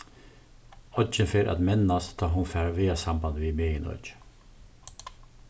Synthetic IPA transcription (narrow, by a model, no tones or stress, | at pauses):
ɔd͡ʒənfeːɾʔa̰t̪mɛnːast̪t̪ʰɑːɦʊnfæːɾaʋeːasamband̪ʋimeːjənɔ̰d͡ʒ